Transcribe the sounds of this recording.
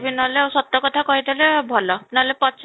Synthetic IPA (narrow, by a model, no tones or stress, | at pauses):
bʱinɔɦleawsɔt̪ɾɔkɔt̪ʰakɔɦit̪alebʱɔlɔnɔɦlepɔtsʰ